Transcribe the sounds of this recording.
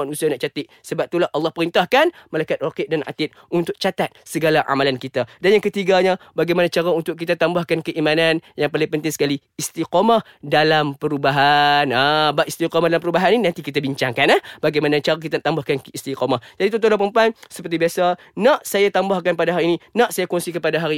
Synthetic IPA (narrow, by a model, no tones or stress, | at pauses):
manusianaʔt͡ʃat̪ɪʔ | səbap̚t̪ulahʔɑlːɑhpəɾint̪ahkanmalajkat̪̚rakɪʔ̚dana̰t̪ɪt̪̚unt̪ʊk̚t͡ʃat̪at̪̚səɡalaʔa̰malankit̪adanjaŋkət̪iɡaɲabaɡajmanat͡ʃaɾaunt̪ʊk̚kːit̪at̪ambahkankəʔimananjaŋpalɪŋpənt̪ɪŋsə̥kaliːst̪iqomah | dalampəɾubaɦanabaʔist̪iqɔmahdalampəɾubaɦanininãnt̪ikit̪abiɲt͡ʃaŋkanahbaɡajmanat͡ʃaɾak̬it̪anaʔt̪ambahkankəist̪iqomahd͡ʒadit̪ɔt̪olapəmpaŋsəpərt̪ibiasa | naʔsajat̪ambahkanpadaɦaɾiːninaʔsajakɔnsikəpadaɦaɾi